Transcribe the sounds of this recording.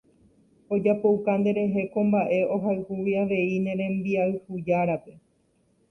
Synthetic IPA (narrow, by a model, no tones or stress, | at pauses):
o̞d͡ʒapo̞wkand̪e̞ɾe̞ɦe̞kõ̞mbaʔe̞o̞ɦaɨhuʋiaʋe̞inẽ̞ɾẽ̞mbiaɨhud͡ʒaɾape̞